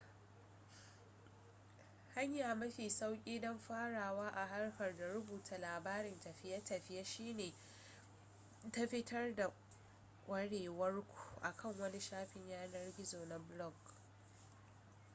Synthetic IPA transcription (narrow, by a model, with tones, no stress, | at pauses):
ha˦ɲjaː˨mɐ˦ɸiː˨sa˦wkʲʼiː˦dɔ˦mɸaː˦ɽaː˨waː˦ʔa˨ɦa˦rɸɐ˨rda˨ɾʊ˦buː˨tʰa˨laː˨baː˦ɾɪ˨ntɐ˨ɸɪ˦jɐ˦tɐ˨ɸɪ˦ja˦ʃiː˦neː˨ | ta˦ɸɪ˦tʰɐ˦rda˨ | kʷʼɐ˦ɽeː˨wɐ˦rkʷʰu̥˨ʔa˨kʰɐ˦˨ŋwɐ˦ni˦ʃaː˦ɸɪ˨ɲjaː˦nɐ˦rɡʲɪ˦zoː˨na˨blɔ˦˨ɡ